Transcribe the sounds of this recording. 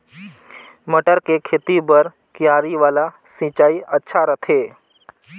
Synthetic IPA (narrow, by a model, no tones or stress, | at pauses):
məʈəɾkekʰeːt̪ibəɾ | kɪjaːɾiʋaːla | sĩt͡ʃaːiʔətːʃʰaɾət̪ʰeː